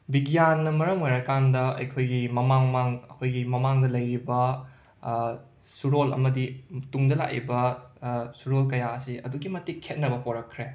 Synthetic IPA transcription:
biɡijanːɐmɐɾɐmojɾakandɐɐ̰jkʰojɡimɐmaŋmaŋɐkʰojɡimɐmaŋdɐlɐjɾibɐ | suɾolɐ̰mɐdituŋdɐla̰kːḭbɐ | suɾolkɐjaɐsiɐ̰duɡimɐtikʰːet̚nɐbɐpoɾɐkʰːɾe

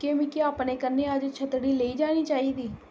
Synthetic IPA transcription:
keːmɪkeaːpneːkəneːəd͡ʒt͡ʃʰət̪ɽiːleiːd͡ʒaːniːt͡ʃaːiːd̪iː

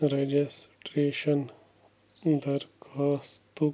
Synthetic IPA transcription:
ɾed͡ʒesʈɾeːʃɐn | d̪ɐɾkʰaːst̪u

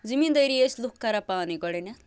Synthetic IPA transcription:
zimind̪ʌjɾieslukːaɾapaːniɡɔɽenɐ

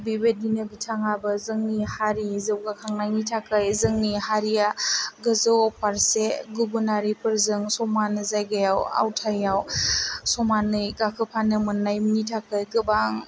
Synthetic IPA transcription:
bibedinɯɡitʰaŋabɯzɯŋnihaɾizɯwɡakʰaŋnajnitʰakɯjzɯŋnihaɾijaɡɯzɯwapʰaɾseɡubunaɾipʰɯɾzɯŋsɔmanɯzajɡajawa̰wtʰajawsɔmanɯjɡakʰɯpʰanɯmɯnːajminitʰakɯjɡɯbaŋ

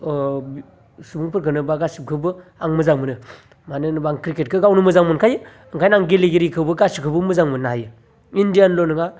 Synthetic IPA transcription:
subuŋpʰɯɾkɯnɯbaɡasip̚kʰɯbɯaŋmɯzaŋmɯnɯ | manɯnbaŋkɾiket̚kʰɯɡawnɯmɯzaŋmɯnkʰajɯ | ɯŋkʰajnaŋɡeleɡiɾikʰɯbɯɡasikʰɯbɯmɯzaŋmɯnnaajɯ | indijanlonɯŋa

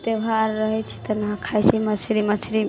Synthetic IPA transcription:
t̪ebʱaɾːəɦɛt͡ʃʰi̥t̪ɔnəɦãkʰajt͡ʃʰimət͡ʃʰɾimət͡ʃʰɾi

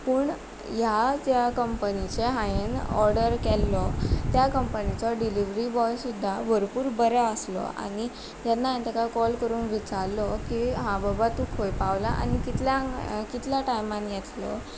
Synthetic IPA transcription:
pəːɳ | jad͡ʑjakəmpənit͡ɕeɦajenɔɾɖəɾkɛlːɔt̪jakəmpənit͡sɔɖiliʋɾibɔjsud̪ʱːabʱəɾpuːɾbəɾaəslɔ̰a̰ni | d͡ʑɛnːaɦẽnt̪əkakɔlkəɾuːnʋit͡ɕaɾlɔkiɦãbəbat̪ukʰɦojpaʋla̰ʔa̰nikit̪ljakit̪ʰljaʈajmanjet̪lɔ̰

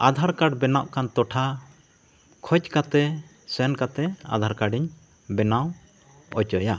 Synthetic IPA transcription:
ad̪ʱaɾkaɖbɛnaʔkant̪ɔʈʰa | kʰɔt͡ʃkat̪ɛ | sɛnkat̪ɛa̰d̪ʱaɾkaɖiɲ | bɛnaw | ɔt͡ʃɔja

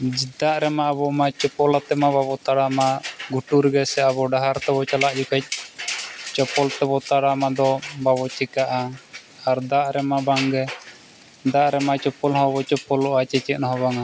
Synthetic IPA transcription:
d͡ʒid̪aʔɾɛmaːbɔmat͡ʃɔpɔlat̪ɛmababɔt̪aɽamaɡuʈuɾɡɛsɛaβɔɖaɦaɾt̪ɛβɔt͡ʃalaʔd͡ʒukʰɛc̚ˀ | t͡ʃɔpɔlt̪ɛbɔt̪aɽamad̪ɔbabɔt͡ʃɛkaʔa | aɾd̪aʔɾɛmabaŋɡɛ | d̪aʔɾɛmat͡ʃɔpɔlhɔbɔt͡ʃɔpɔlɔʔat͡ʃɛt͡ʃɛt̪̚nɔɦɔbaŋa

